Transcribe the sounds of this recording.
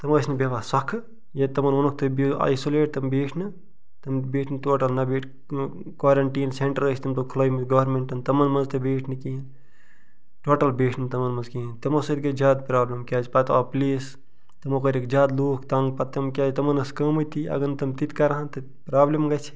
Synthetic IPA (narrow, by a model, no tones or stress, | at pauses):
t̪ɐmɐsʰʲnɐbʲɐʋaːsɐkʰ | jɐt̪ɐmɐnonɐk̚ʰt̪ɨbia̰jsoleːʈ̚t̪ɐmbeːʈʰnɨ | t̪ɐmbeːʈʰnɨt̪oːʈɐlnɐbeːʈʰ | kwaːɾɐɳʈiːnseɳʈɾəɾɐsʰʲt̪ɐmt̪okʰloːjmit̪ɡɐʋɐɾmeɳʈɐnt̪ɐmɐnmɐnzt̪ɨbeːʈʰnɨkiin | ʈoːʈɐlbeːʈʰnɨt̪ɐmɐnmɐnzkint̪ɐmosɐt̪kɐd͡ʒʲaːd̪pɾaːblɐmkʲjaːd͡ʒpɐt̪apliːs | t̪ɐmokɐɾʲikd͡ʒʲaːd̪luːkʰt̪ɐŋɡpɐt̪t̪ːɐmkʲjaːd͡ʒʲt̪ɐmɐnɐskɐmut̪iɐ̰ɡɐnɨt̪ɐmt̪it̪kɐɾɦãnt̪ɨ | pɾaːblɐmɡɐt͡ʃʰi̥